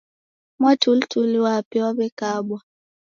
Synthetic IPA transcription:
mwatultʰuliwapɛwaβɛkaɓwa

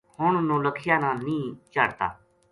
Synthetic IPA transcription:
hʊɳnũːləkʰɪjaːnãːnĩːt͡ʃaːɽt̪a̰ː

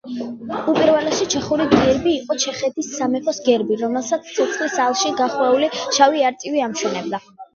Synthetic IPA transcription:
upʼiɾvɛlɛʃit͡ʃʰɛχuɾiɡɛɾbiːqʼɔt͡ʃʰɛχɛt̪ʰisːamɛpʰɔsɡɛɾbiɾɔmɛlˠsat̪sʰt̪sʰɔt̪sʰχlisalˠʃiɡaχwɛuliʃaviaɾt̪ʼiviamʃɔnɛb̚d̪a

